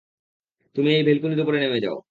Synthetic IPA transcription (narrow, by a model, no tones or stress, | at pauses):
t̪umiejbʱelkuniɾupoɾenemed͡ʑa̰o